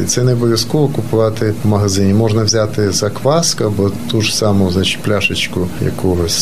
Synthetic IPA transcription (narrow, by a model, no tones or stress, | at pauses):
ḭt̪sɛnebɔʋʲjɐskɔʋɔkʊpʊʋɑt̪ɪmɐɦɐzɪnʲimɔʒnɐwzʲat̪ɪzɐkʋɑskɐbɔt̪uʐsɑmʊznat͡ʃɪ̥tʲplʲaʃɪt͡ʃkʊjɐ̰kɔɦɔsʲ